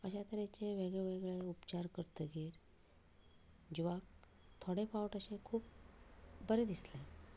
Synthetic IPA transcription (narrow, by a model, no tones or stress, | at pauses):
əɕat̪əɾet͡ɕeʋeɡɭeʋeɡɭeupt͡ɕaɾkəɾt̪əɡeːɾ | d͡ʑiʋak̚ | t̪ʰoɽefawʈəɕẽkʰuːp̚ | bəɾed̪isle